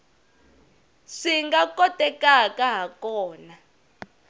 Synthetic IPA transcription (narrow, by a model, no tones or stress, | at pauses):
ʂiŋɡakʼɔtʼɛkakaɦakɔːna